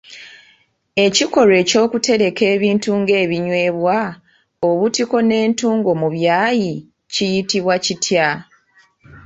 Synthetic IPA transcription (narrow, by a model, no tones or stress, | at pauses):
e̞ciko̞ɾe̞ːco̞ːkute̞ɾe̞ke̞ːβiːntuŋɡe̞ːβiɲwe̞ːβwa | oβutiko̞ne̞ːntuːŋɡo̞muβjaːji | cijitiβwacitʰja